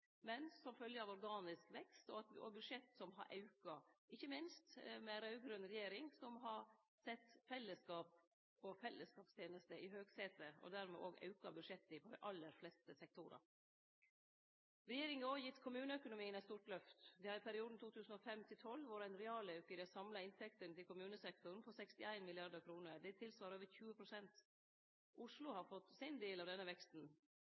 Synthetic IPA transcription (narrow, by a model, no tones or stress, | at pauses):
mɛnsɔmfœljəɑːʋɔɾɡɑːnɪskʋɛkst̪ɔɑt̪ʋɪʔo̰ːbʉd̪ʂɛt̪ːsɔmɦɑ̰ɾʔɑʉkɑʔɪçːəmɪnst̪mɛɾɑʉɡɾœnɾɛjeːɾɪŋsɔmɦɑɾ | sɛt̪ːfɛlːəskɑːp̚ | ɔfɛlːəskɑːpst̪ʰjeːnəst̪əɪɦøːɡseːt̪əɔ̰d̪æɾmɛ̰ʔoːɡɑ̰ʉkɑbʉd̪ʂɛt̪ːɪpʰɔd̪ɛ̰ɪʔɑlːəɾflɛst̪əsɛk̚t̪ʰʊɾɑ̰ | ɾɛjeːɾɪŋəoːjɪt̪ːkʰʊmʉːnəœkʊnʊmiːənɛɪt̪st̪uːɾʈlœft̪d̪ɛhɑːɾɪpʰæɾɪuːd̪n̩t̪uːt̪ʰʉːsn̩ɔfɛmt̪ʰɪlt̪ʰɔlʋʊɾæɪnɾɛɑːlɑʉkəd̪ɛsɑmlɑɪnt̪ʰɛkt̪ənt̪ʰɪlkʰʊmʉːnəsɛk̚t̪ʊɾnpʰɔsɛkst̪ɪæɪnmɪlɪɑɾd̪əɾkʰɾuːnəɾd̪ɛt̪ʰɪlsʋɑːɾoːʋəɾçʉːəpʰɾʊsɛnt̪ | ʔʊʂlʊhɑɾfɔt̪ːsɪnd̪eːlɑːʋd̪ɛnːəʋɛkst̪n̩